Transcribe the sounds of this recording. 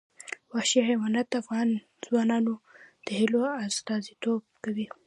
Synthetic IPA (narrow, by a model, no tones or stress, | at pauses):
wahʃihawɑnat̪afɣɑn | zwɑnɑnod̪̥əhiloast̪ɑzit̪ob̚kawi